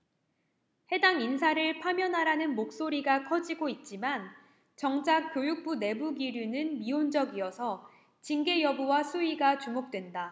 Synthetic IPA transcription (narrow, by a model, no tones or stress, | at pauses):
he̞daŋinsʰaɾɯɭpʰamjʌnɦaɾanɯnmok̚s͈oɾiɡakʰʌd͡ʑiɡoit̚t͡ɕ͈iman | t͡ɕʌŋd͡ʑak̚k͈jojuk̚p͈une̞buɡiɾjunɯnmiond͡ʑʌɡiʌsʰʌ | t͡ɕiŋɡe̞jʌbuwasʰuiɡat͡ɕumok̚t͈we̞nda